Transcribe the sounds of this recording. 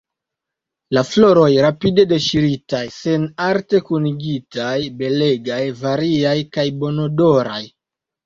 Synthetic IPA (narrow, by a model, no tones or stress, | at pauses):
laflo̞ɾo̞jɾapide̞de̞ʃiɾitajse̞naɾte̞kuniɡitajbe̞le̞ɡajvaɾiajkajbo̞no̞do̞ɾa̰j